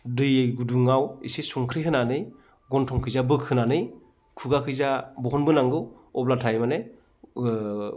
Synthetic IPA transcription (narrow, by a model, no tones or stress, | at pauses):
dɯjejɡuduŋawisisɔŋkʰɾiɦɯnanɯj | ɡɔntʰɔŋkʰɯjzabɯkʰːɯnanɯj | kʰuɡakʰɯjzabɔɦɔnbɯnaŋɡɯ | ɔblatʰajmane